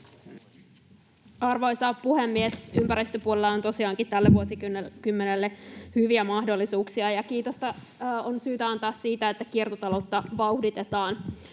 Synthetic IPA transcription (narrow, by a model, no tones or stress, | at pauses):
ɑrʋo̞jsɑppuhemːiesympæɾist̪øpuolelːɑont̪o̞siɑːŋkit̪ælːeʋuosikymːenelːehyʋiæmɑhdo̞lːisuːksiɑjɑkiːt̪ost̪ɑ | onsyːt̪æɑnt̪ɑːsːiːt̪æet̪ːækiert̪ot̪ɑlo̞t̪ːɑʋɑuhdit̪e̞t̪ɑːn